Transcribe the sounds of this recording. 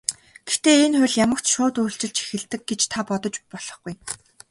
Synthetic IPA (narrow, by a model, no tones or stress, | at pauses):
ɡ̥ext̪eːenχʊ̟ɮjamə̆kt͡ɕʃʊːt̪uːɬt͡ɕɪ̆ɮt͡ɕʰi̥xɘ̆ɮt̪ɘ̆k̚ɡet͡ɕt̪ʰapɔt̪ɞ̆t͡ɕpɔɮ̥ɞ̆χɡuj